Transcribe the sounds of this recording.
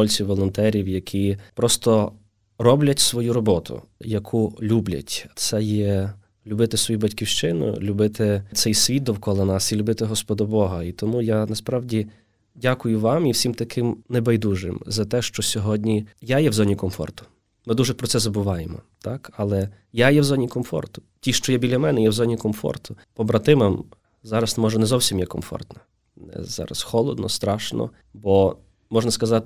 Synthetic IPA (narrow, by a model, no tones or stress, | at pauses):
ɔlʲt͡sʲiwʋɔlˠɔnt̪ɛɾʲiwjɐkʰʲipɾɔst̪ɔ | rɔblʲɐtʲsʋɔjuɾɔbɔt̪ʰʊ̰jɐkʰulʲublʲɐ̰tʲt̪sɛjɛ | lʲʊbɪt̪ɪsʋɔjubɐtʲkʲiwʃt͡ʃɪnʊ̰lʲʊbɪt̪ɪt̪sɛjsʲʋʲit̪̚d̪ɔwkɔlˠɔnɑsilʲʊbɪt̪ɪɦɔspɔd̪ɔbɔɦɐit̪ɔmujanɐspɾɑwdʲi | dʲakʊjʊʋɑmiwsʲimt̪ɐkʰɪmnɛbɐjd̪uʒɪ̰mzɐt̪ɛʃt͡ʃɔsʲɔɦɔdʲnʲijajɛwzɔnʲikɔmfɔ̰rt̪ʊ̥ | mɪd̪uʒɛpɾɔt̪sɛzɐbʊʋɑjemɔ̰t̪ɑkɐlˠɛ | jajɛwzɔnʲikɔmfɔ̰rt̪ʊ̥ | tʲiʃt͡ʃɔjɛbʲilʲːɐmɛnɛjɛwzɔnʲikɔmfɔ̰rt̪ʊpɔbɾɐt̪ɪmɐm | zɑɾɐsmɔʒɛnɛzɔwsʲimjɛkɔmfɔ̰rt̪nɐ | nɛ̰zɑ̰ɾɐ̰sxɔlˠɔ̰d̪nɔ̰st̪ɾɑʃnɔ̰ | bɔ | mɔʒnɐskɐzɑt̪